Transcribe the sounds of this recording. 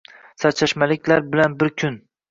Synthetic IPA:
sat͡ʃʰaʃmalɪkʲʰlaɾbɪlanbɪɾkʲʰʊn

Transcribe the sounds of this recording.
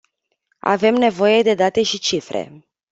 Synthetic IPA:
a̰ve̞mne̞vo̞je̞d̪e̞d̪at̪e̞ʃit͡ʃifɾḛ

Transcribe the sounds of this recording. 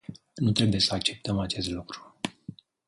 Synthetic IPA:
nut̪ɾe̞buje̞səak̚t͡ʃe̞p̚t̪əmat͡ʃe̞st̪lukɾu̥

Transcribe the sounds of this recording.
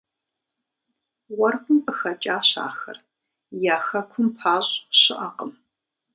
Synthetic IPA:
wɐrkʷʰʊmɨxɐt͡ʃʼaːɕa̰ːxɐ̰r | jaːxɐkʷʰʊmpʰaːɕʼɕɪʔɐqʼəm

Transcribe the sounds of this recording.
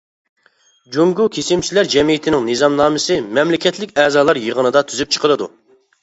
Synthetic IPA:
d͡ʒoŋɡukʲʰesɪmt͡ʃʰilæɾd͡ʒɛmijit̪ʰɪnɪŋnɨzɑmnɑːmɨsɨmɛmlɪkʲɛt̪ʰlɪkʲɛːzɑːlˠɑɾjəʁənɨd̪ɑt̪ʰyzyp̚t͡ʃʰə̥qʰəɾˠɨd̪ṵ

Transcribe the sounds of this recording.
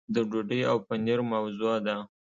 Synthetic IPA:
d̪əɖoɖəjawpaneɾmawzuad̪a

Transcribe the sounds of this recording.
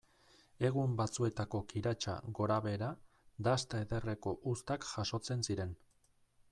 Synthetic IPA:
e̞ɣ̞umbat͡sue̞t̪ako̞kiɾat͡ʃa̰ɣo̞ɾaβe̞ɾa | d̪ast̪ae̞ðe̞re̞ko̞ʔust̪akʝaʃo̞t͡se̞nsiɾe̞n

